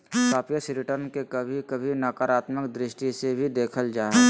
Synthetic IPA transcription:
kaːpijəsɾɪʈəɾnkekɐbʱikɐbʱinaːkaːɾaːt̪məkd̪ɾɪʃʈisebʱid̪eːkʰəld͡ʒaːɦɛ

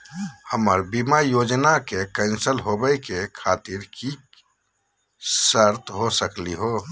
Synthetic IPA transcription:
həməɾbimajod͡ʒnakekə̃ɪ̃nsəlɦobəjkekʰat̪iɾki | səɾt̪ɦosəkliɦo

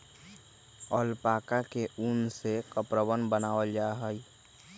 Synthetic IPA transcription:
ɔːlpaːkakeʔunsekəpɾəʋənbənaːəd͡ʒaːɦəi

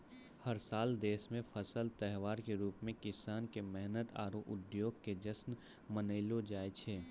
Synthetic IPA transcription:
həɾsaːld̪eːsmẽfʰɐsəlt̪ɛɦʋaːɾkeɾuːpmẽkɪsaːnkemɛɦnət̪a̰ːɾoʔʊd̪joːɡ̚ked͡ʒəsn | mənəɪlod͡ʒaːet͡ʃʰeː

